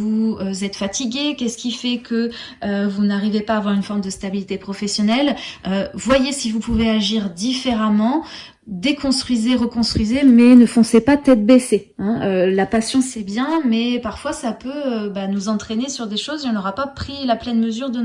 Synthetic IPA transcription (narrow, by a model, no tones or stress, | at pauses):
vuøzɛt̪fat̪iɡʲekʲɛsə̥kʲifɛkʰəøvunaʁivepaːvwaʁynfɔʁmd̪əst̪abilit̪epχɔfɛsjɔnɛløvwajesivupuveaʒiʁd̪ifeʁamɑ̃ | d̪ekɔ̃st̪χɥizeʁəkɔ̃st̪χɥizemɛnəfɔ̃sepat̪ɛt̪̚bese | ɛ̃ølapasjɔ̃sɛbjɛ̃mɛpaʁfwasapøøbanuzɑ̃t̪χenesyʁd̪eʃozeɔ̃nɔʁapapχilaplɛnməzyʁd̪ən